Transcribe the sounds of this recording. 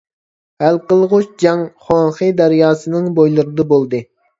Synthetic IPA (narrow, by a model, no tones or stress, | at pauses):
hælqəlˠʁʊʃd͡ʒɑŋχonχɨd̪ɛɾjɑːsɨnɨŋbojlˠɨɾɨd̪ɐbolˠd̪ɨ